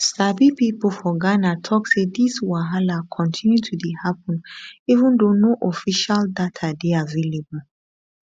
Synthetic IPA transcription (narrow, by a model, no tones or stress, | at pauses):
sabipipɔlfɔɡanatʰɔksediswaɦalakʰɔ̃ntʰĩnjutʰudihap̚ɔ̃nivũndõnoʔɔfiʃaldatʰadeavelebɔ